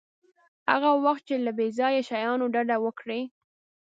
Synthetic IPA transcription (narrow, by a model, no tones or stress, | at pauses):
ha̰ɣawaxt̪̚t͡ʃelabezɑjaʃajɑnoɖaɖawəkɽe